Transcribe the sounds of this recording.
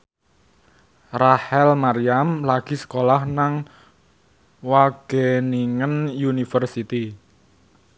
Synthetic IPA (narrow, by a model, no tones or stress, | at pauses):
rahɛlmaɾiamlaɡ̥i̤sə̥kolahnaŋ | waɡ̥eniŋənjunifərsit̪i